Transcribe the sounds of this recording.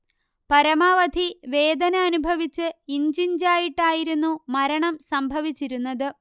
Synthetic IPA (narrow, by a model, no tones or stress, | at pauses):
pɐɾɐmaːʋɐd̪ʱiʋe̞ːd̪ɐnɐɐnubʱɐʋit͡ɕːɨiɲd͡ʑiɲd͡ʑaːjiʈːaːjiɾunːumɐɾɐɳɐmsɐmbʱɐʋit͡ɕːiɾunːɐðɨ